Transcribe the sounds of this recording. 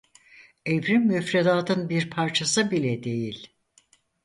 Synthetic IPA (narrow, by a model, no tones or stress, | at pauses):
evɾimːyfɾed̪aːt̪ɯnbiɾpʰaɾt͡ʃʰasɯbilʲɛd̪e̞jilʲ